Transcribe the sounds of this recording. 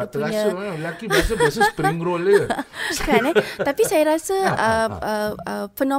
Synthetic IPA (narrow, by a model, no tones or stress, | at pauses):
puɲəlakibasəbasəspɾiŋɾɔləkanɛt̪apisajaɾasəəəəfənɔ̃